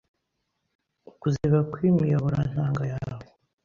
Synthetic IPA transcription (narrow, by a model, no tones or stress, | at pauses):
ukuzeβakwimijaβuɾan̥haːŋɡajaːβo